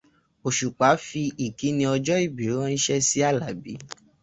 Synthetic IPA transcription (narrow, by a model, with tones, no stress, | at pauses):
o˨ʃu˨k͡pa˨˦fi˧i˨ki˨˦nĩ˧ɔ˧d͡ʒɔ˦i˦˨bi˨ɾe˨˦ɔ̃˦n̩˦ʃɛ˦si˦a˦˨la˨bḭ˨˦